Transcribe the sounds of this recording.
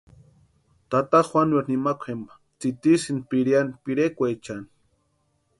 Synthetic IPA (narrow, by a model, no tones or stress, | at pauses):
t̪at̪aχwanweɾnimakʷʰembḁ | t͡sit̪isinpiɾjanipiɾekʷet͡ʃani̥